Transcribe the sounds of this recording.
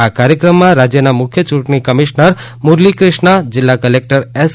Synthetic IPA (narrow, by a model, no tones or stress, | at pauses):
akaɾjəkɾəmːãɾad͡ʒjənamʊkʰjət͡ʃũʈɳikəmiʃnəɾ | muɾlikɾɪʃɳad͡ʒɪlːakəlek̚ʈəɾes